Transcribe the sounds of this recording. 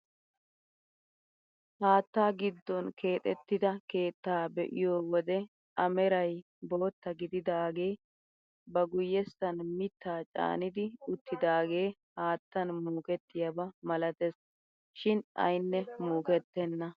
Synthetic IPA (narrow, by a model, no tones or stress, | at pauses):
haːt̪ːaːɡɪd̪ːɔnkʰe̞ːt̪ʼɛt̪ːɪd̪ɐke̞ːt̪ːaːbɛ̰ʔɪ̰joːwɔd̪ɛ | ʔɐmɛɾɐj | bo̞ːt̪ːɐɡɪd̪ɪd̪aːɡe̞ː | bɐɡʊjːɛsːɐnmɪt̪ːaːt͡ʃʼa̰ːnɪd̪ɪʊt̪ːɪd̪aːɡe̞ːhaːt̪ːɐnmuːkɛt̪ːɪjɐbɐmɐlɐt̪ɛs | ʃɪnɐ̰jnːɛmuːkɛt̪ːɛnːɐ